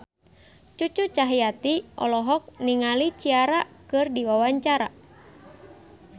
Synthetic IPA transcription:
t͡ʃut͡ʃut͡ʃaɦiat̪iʔɔ̰lɔɦɔk̚niŋalit͡ʃiaɾakɨrdiwawaɲt͡ʃaɾa̰

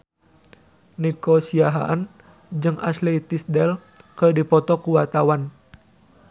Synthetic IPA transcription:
nɛkosiaɦa̰ʔan | d͡ʒɨŋa̰slet̪isdɛlkərdipɔt̪ɔkuwat̪awan

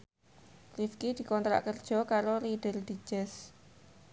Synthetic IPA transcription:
lifkid̪̥i̤kɔnt̪ɾa̰ʔkərd̥ʒ̥ɔ̤kaɾoliɖ̥ə̤rd̪̥i̥d͡ʒ̥ɛs

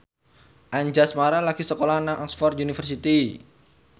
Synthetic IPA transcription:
ʔaɲd͡ʒasmaɾalaɡisəkolanaŋʔɔksfɔrt̪unifərsit̪i

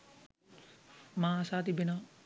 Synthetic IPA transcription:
maːsaːt̪ibena

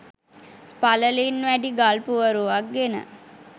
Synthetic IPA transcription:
paləlinʋæɖiɡalpuʋəɾuʋak̚ɡenə̰

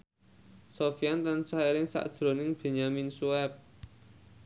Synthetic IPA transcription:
sofiant̪ansaeɾɪŋsa̰ʔd̥ʒ̥ɾo̤nɪŋb̥e̤ɲaminsuɛp̚

